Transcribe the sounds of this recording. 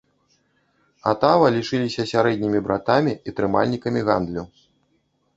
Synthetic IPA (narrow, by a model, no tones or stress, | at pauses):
a̰t̪avɐlʲiʂɨlʲisʲɐsʲaɾɛd̪ʲnʲimʲibɾat̪amʲiit̪ɾɨma̰lʲnʲikɐmʲiɣa̰nd̪lʲu